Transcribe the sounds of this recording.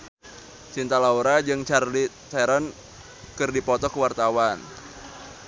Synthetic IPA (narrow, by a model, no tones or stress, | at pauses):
t͡ʃint̪alauɾad͡ʒɨŋt͡ʃarli | sɛɾən | kɨrdipɔt̪ɔkəwart̪awan